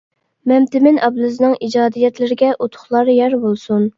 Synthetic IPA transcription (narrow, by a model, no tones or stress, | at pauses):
mɛmt̪ɪmɪnʔɑblˠuznɨŋʔid͡ʒɑːd̪ijɛt̪lɪɾɪɡʲɛʔot̪ʰʊ̥χlˠɑɾjɛɾbolˠsun